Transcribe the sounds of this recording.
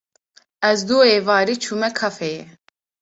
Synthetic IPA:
ɛzd̪uːeːvɑːɾiːt͡ʃʰuːmɛkʰɑfɛjɛ

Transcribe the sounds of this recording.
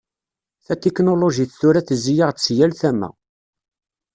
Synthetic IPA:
θæt̪ːeknoloʒiθθʊɾæθəzːijaʁt͡sːjælθæmæ̰

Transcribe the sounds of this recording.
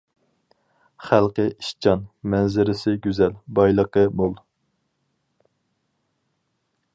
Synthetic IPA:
χælˠqəiʃt͡ʃʰɑnmɛnzɪɾɪsɪɡʲyzɛlbɑjlˠəqəbolˠ

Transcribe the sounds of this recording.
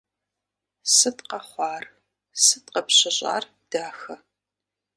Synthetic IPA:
sɨtqɐχʷɑːr | sɨtqɐpɕɪɕʼa̰ːr | d̥aːxɐ

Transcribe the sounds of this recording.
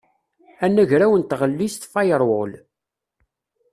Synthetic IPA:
ænːæʝɾæwənt̪ʁəlːist̪fɑjəɾˤwʊl

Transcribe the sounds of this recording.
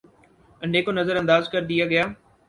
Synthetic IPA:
ɐnɖeːkonɐzəɾɐ̃nd̪aːzkɐɾd̪ijaɡɐjaː

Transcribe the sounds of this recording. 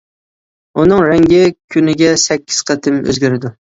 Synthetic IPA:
ʊnɪŋɾaŋɡʲɪkʲʰʊnɪɡʲasækʲʰːɪ̥z̥qʰɑt̪ʰɪmɵ̰zɡʲaɾɪd̪ʊ

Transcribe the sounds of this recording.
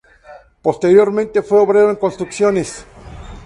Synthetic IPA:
post̪eɾjoɾmẽnt̪efweoβɾeɾoeŋkonst̪ɾuksjones

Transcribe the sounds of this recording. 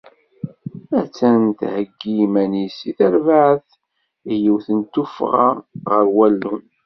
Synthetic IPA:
æt͡sːænt̪həɡːimænisiθæɾvaʕθ | ijiwθənt̪ufʁɑ̰ʁəɾwælːun

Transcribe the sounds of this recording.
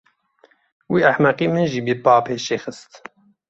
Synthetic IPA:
wiaħmæqiːmɨnʒibibaːpʰeːʃeːxɨst̪

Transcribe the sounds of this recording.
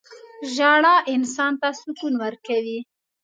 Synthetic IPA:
ʒaɽɑʔɪnsɑnt̪asʊkunwəɾkawi

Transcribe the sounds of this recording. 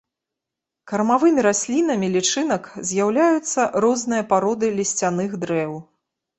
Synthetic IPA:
kɐrmavɨmʲiɾasʲlʲin̪ɐmʲilʲit͡ʂɨn̪ɐkzʲjawlʲajut̪sːɐɾɔznɨjɐpaɾɔd̪ɨlʲisʲt͡sʲanɨxd̪ɾɛw

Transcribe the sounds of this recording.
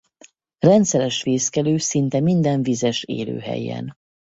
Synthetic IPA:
rɛnt̪sɛɾɛʃʋeːskɛløːsint̪ɛmind̪ɛɱvizɛʃḛːlø̰ːɦɛ̰jːɛ̰n

